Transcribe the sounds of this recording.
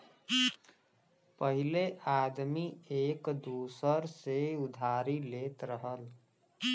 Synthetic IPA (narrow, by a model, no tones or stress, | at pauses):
pəɦileʔad̪miekd̪usəɾseud̪ʱaɾilet̪ɾəɦəl